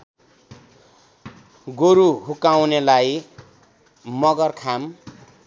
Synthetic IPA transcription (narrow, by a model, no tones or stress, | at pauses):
ɡoɾuɦukawnelaj | mʌɡʌrkʰam